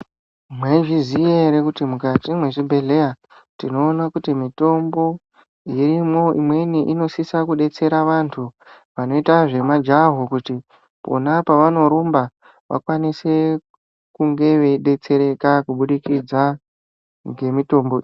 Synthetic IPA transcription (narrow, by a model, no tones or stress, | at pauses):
mweʐizijeɾekutimukatimweʐibʱe̞ɮe̞ja | tino̞ːnakutimito̞mbo̞ | iɾimo̞imwe̞niʔino̞sisakuɗe̞t͡se̞ɾaʋantʰu | ʋano̞itaʐe̞mad͡ʒaɦokuti | po̰napaʋano̞ɾumba | ʋʔa̰kwanise̞ | kuŋɡe̞ʋe̞iɗe̞t͡se̞ɾe̞kakuɓuɗikid͡za | ŋɡe̞mito̞ːmboi